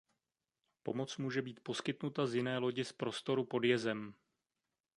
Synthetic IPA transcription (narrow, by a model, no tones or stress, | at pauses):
po̞̰mo̞t͡smuːʒɛbiːt̪̚po̞skɪt̪nut̪azjɪnɛːlo̞ɟɪspɾo̞st̪o̞ɾupo̞djɛzɛm